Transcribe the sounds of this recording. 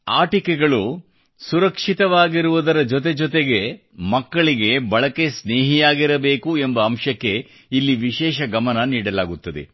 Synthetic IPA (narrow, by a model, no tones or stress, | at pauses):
aːʈikeɡɐɭu | suɾɐkʂit̪ɐʋaːɡiɾuʋud̪ɐɾɐd͡ʒɔt̪̬e̞d͡ʒɔt̪eɡe̞ | mɐkːɐɭiɡe̞bɐɭɐke̞sneːɦijaːɡiɾɐbe̞ːkue̞mbɐːmʃɐkːe̞ | ilːiʋiʃɛːʃɐɡɐmɐnɐniːɽɐlaːɡut̪ːɐd̪e̞̰